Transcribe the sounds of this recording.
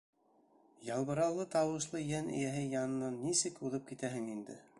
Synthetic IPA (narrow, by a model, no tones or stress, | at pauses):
jɑlˠβɤ̆ɾɑlˠːɤt̪ɑwɤ̆ʃlˠɤjænɘ̰̆jæɦɘjɑnɤ̆nɑnːisɘkuðɤp̚kit̪æɦɘŋind̪ɘ̰